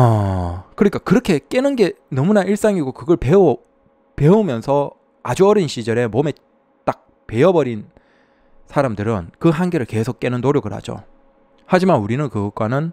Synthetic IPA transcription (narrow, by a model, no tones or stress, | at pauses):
ʌkɯɲik͈akɯɾʌkʰe̞k͈e̞nɯnɡe̞nʌmunaʔiɭs͈aŋiɡokɯɡʌɭpeo | pe̞omjʌnsʰʌ | ad͡ʑuʌɾinɕ͈ʰid͡ʑʌɾe̞mome̞ | t͈ak̚ | pe̞ʌbʌɾin | sʰaɾamdɯɾɯnkɯɦanɡe̞ɾɯɭke̞sʰok͈e̞nɯnːoɾjoɡɯɾɦa̰d͡ʑo̰ | had͡ʑimanuɾinɯnkɯɡʌk͈̚wanɯn